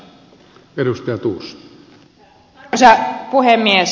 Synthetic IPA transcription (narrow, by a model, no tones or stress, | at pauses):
edust̪ɑjɑt̪urst̪ | sɑpuhemːies